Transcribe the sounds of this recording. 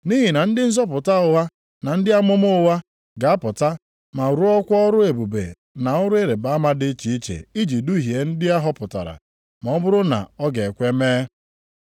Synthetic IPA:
ni˦ɦi˨na˨n̩˦dɪ˦n̩˦zɔ˦p̬ʊ˨ta˦ʊ˨ɦa˦ | na˨n̩˦dɪ˦a˦mʊ˦mʊ˦ʊ˦wa˦ | ɡa˨a˦pʊ˨ta˦ | ma˨ɾu˦ɔ˦kʷɔ˦ɔ˦ɾʊ˦e˨bu˨bḛ˨ | na˨ʊ˦ɾʊ˦e˦ɾe˨ba˨a˦ma˦dɪ˦t͡ʃi˨i˦t͡ʃḛ˨i˦d͡ʒi˨du˦ɦi˨e˨n̩˦dɪ˦a˦ɦɔ˦pʊ˨ta̰˨ɾa̰˨ | ma˨ɔ˦bʊ˦ɾʊ˦na̰˨ɔ˦ɡe˨kʷe˦meː˦

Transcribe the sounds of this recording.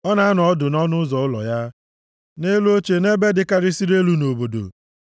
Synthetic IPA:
ɔ˦na˨a˦nʊ˨ɔ˦dʊ˨nɔ˦nʊ˦zɔ˨ʊ˦lɔ̰˨ja˦ | ne˦lu˦o˦t͡ʃe˨ne˦be˦dɪ˦ka˦ɾɪ˦si˦ɾe˦lu˦no˨bo˨do̰˨

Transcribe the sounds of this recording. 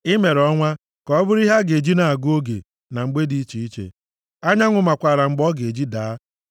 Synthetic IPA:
ɪ˦me˨ɾɔ˦ŋʷa˦ | kɔ˦bʊ˦ɾi˦ɦa˦ɡe˨d͡ʒi˦na˨a˨ɡo˦ɡḛ˨ | na˨ŋ͡m̩˨ɡ͡be˦di˦t͡ʃi˨i˦t͡ʃḛ˨ | a˦ɲa˦ŋʷʊ˨ma˨kʷa˨ɾa˨ŋ͡m̩˨ɡ͡bɔ˦ɡe˨d͡ʒi˦da˨˦

